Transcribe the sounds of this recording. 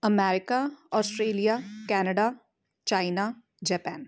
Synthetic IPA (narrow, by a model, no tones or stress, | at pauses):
əmɛːɾɪkaɔːsʈɾeːlijakɛːnəɖa | t͡ʃaːɪna | d͡ʒɛːpɛːn